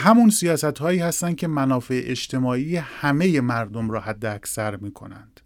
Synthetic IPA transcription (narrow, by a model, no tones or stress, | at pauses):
ɦæmunsijɒːsæt̪hɒːiːhæst̪ænd̪̥̚cʰʲe̞mænɒːfe̞ʔeʃt̪ʰe̞mɒːiːjehæme̞je̞mæɾd̪o̞mɾɒːhæd̪ːeæcsæɾmiːkʰo̞̰nænd̪̥